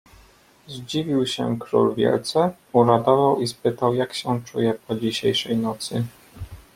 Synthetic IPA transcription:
zd͡ʑivʲiwɕɛ̰kɾṵlvʲjɛ̰lt̪sɛ | uɾad̪ɔvawispɘt̪awjakɕɛt͡ʂṵjɛpɔd͡ʑiɕejʂɛjnɔt̪sɘ

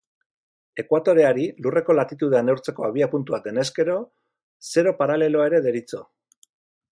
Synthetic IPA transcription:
e̞kwat̪o̞ɾe̞aɾilure̞ko̞lat̪it̪uð̞e̞anewɾt͡se̞ko̞aβ̞iapunt̪uβat̪e̞ne̞ske̞ɾo̞ | se̞ɾo̞paɾale̞lo̞aeɾe̞ðe̞ɾit͡so̞

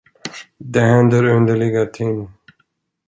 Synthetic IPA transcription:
d̪ɛɦɛnd̪əɾɵnd̪əɭɪɡat̪ʰɪŋ

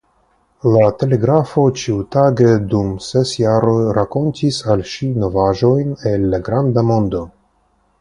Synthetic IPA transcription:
late̞le̞ɡɾafo̞t͡ʃiutaɡedumsesjaɾo̞jɾako̞ntisalʃino̞vaʒo̞jne̞lːaɡɾand̪amo̞nd̪o̞

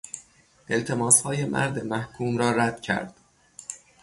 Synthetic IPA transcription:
ʔe̞lt̪ʰe̞mɒːshɒːjemʔæ̰ɾd̪emæhkʰuːmɾɒːɾæd̪̥cʰæ̰ɾd̪̥

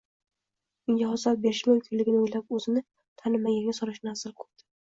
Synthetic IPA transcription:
ʊŋɡʲaɦɒzal̚be̞ɾɪʃmʊmkʲʰɪnlɪɡʲɪnɪojlap̚ɵzɪnɪ | t̪ʰanɪmːaɡʲaŋɡʲasɒɾɪʃnazɪlkʰʊ̥pd̪̥ɪ̥

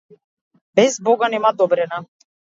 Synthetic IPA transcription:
bɛzbɔɡanɛmad̪ɔbɾɛna

